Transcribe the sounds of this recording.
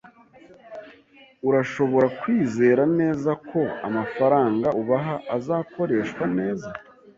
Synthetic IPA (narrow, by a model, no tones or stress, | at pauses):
uɾaʃo̞βo̞ɾakwiːze̞ːɾane̞ːzakʰo̞a̰mafaɾaːŋɡaʔuβaɦaʔazaːko̞ɾe̞ːʃkwane̞ːza